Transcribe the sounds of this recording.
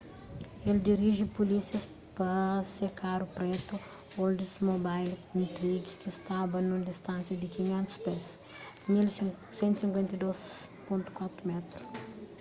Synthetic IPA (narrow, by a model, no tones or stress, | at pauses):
eld̪iɾiʒipulisjɐs | pɐsekʰaɾupɾɛt̪uold̪ismobajlĩnt̪ɾiɡikist̪abɐnũd̪ist̪ãnsjɐd̪ɪkiɲɛ̃nt̪u̥spɛs | mil | sẽnt̪u̥sĩŋkwẽnt̪ɐjd̪ospõnt̪u̥kwat̪ɾumɛt̪ɾu